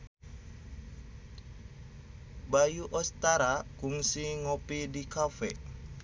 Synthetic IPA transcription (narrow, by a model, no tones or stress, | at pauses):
bajuʔɔst̪aɾakuŋsiŋɔpidikafɛ